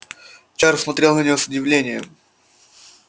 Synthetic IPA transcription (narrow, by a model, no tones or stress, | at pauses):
t͡ɕaɾsmɐt̪ɾʲelˠnənʲɪjosʊdʲɪvlʲenʲɪjə̰m